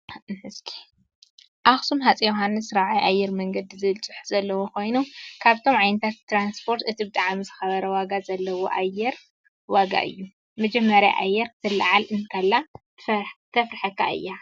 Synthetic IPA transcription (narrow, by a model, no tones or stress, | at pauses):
hɨskʰi̥ | ʔaxsumħat͡sʼijoɦanːɨsɾaʕajʔajːɛɾmɐŋɡɐd̪izɨlt͡sʼɨ̥ħzɐlːɐwokʰo̞jnukʰaβt̪ʰo̞mʕajnɨt̪ʰat̪t̪ːɾanspʰo̞ɾt̪ɨt̪ʰibɨt̪ʼaʕamizɨxɐβɐɾɐwaɡazɐlːɐwo̰ʔajːɛɾ | waɡa̰ʔɨ̰jːu | mɐd͡ʒɐmːɐɾja̰ʔa̰jːɛɾt̪ʰɨlːaʕalɨnkʰɐlːa | t̪ʰɐfɾɨħɐkːa̰ʔɨ̰jːa